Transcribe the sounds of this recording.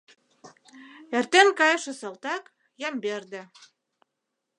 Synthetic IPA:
ert̪enkɑjʃĕsɤ̆lt̪ɑk | jɑmberd̪ĕ

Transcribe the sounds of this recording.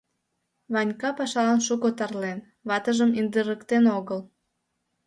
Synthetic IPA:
βɑnʲkɑpɑʃɑlɑnʃukot̪ɑrlen | βɑt̪əʒəmind̪əɾəkt̪enoɣəl

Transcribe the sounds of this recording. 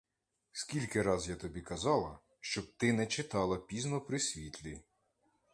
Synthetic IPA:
skʲilʲkɪɾɑzjat̪ɔbʲikɐzɑlˠɐ | ʃt͡ʃɔb̚t̪ɪnɛt͡ʃɪt̪ɑlˠɐpʲiznɔpɾɪsʲʋʲit̪ʲlʲi

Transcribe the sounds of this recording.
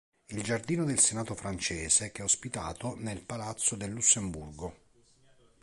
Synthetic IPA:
ild͡ʒard̪iːnod̪elsenaːt̪ofɾant͡ʃɛːzekɛospit̪a̰ːt̪onelpalat̪sːod̪elːusːemburɡo

